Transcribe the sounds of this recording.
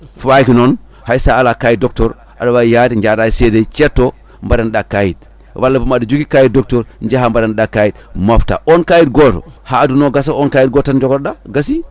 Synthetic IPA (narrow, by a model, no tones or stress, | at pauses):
fakinon | haisaːlakajidok̚toɾ | a̰dawajadiɲd͡ʒadaisedet͡ʃetːo | mbadandakajit̚ | walːapumadud͡ʒukikajidok̚toɾnd͡ʒahambadanɗakajid̚mofta̰onkajitɡoto̰haːdunoɡasaonkaːjit̚ɡotand͡ʒokoɾdaɡasi